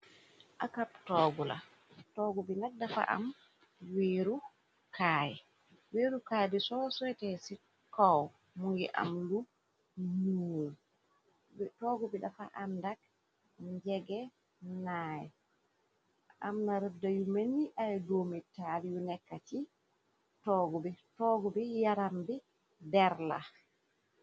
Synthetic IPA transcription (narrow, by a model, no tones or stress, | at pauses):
ʔakap̚tɔːɡula̰ | tɔːɡɔbinak̚dafa̰ʔa̰m | weɾu | kaːjɛ | weːɾukaːjɛbɛsɔsɔɛtɛsi | kɔw | muŋɡɛ̰ʔa̰mlu | nuːl | bɛtɔɡɔbɛɗafa̰ʔandak̚ | ɲd͡ʒɛɡɛ | najɛ | ʔa̰mnaɾɛbdajumeniʔajdomitalijunɛkːati | tɔɡɔbɛtɔɡɔbɛjaɾambɛ | dɛɾla̰